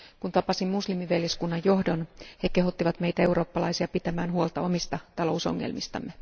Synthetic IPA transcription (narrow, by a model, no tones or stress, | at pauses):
kunt̪ɑpɑsimmuslimiʋeljeskunːɑjjo̞hdo̞nheke̞ɦot̪ːiʋɑt̪me̞ijt̪æe̞uro̞ːpːɑlɑisiɑpit̪æmæːnhuolt̪ɑo̞mist̪ɑt̪ɑlo̞uso̞̰ŋːḛlmist̪ɑ̰mːe